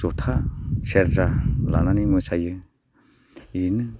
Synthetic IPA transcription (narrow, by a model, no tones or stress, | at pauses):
zɔtʰasʰeɾzala̰nanimɯsajɯ | inɯ